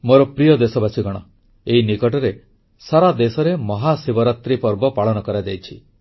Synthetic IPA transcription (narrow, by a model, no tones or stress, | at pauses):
moɾɔpɾijɔd̪esɔbasiɡɔɽ̃ɔ | einikɔʈɔɾe | saɾad̪esɔɾemɔɦasibɔɾat̪ɾipɔɾbɔpaɭɔnɔkɔɾad͡ʒajt͡ʃʰi